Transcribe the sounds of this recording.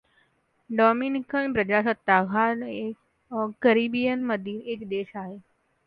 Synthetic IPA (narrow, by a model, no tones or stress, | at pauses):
ɖɔːminikənpɾəd͡ʒaːsət̪ːaːɡʱane | ɡəɾibijənməd̪ineːkd̪eːʃaːɦe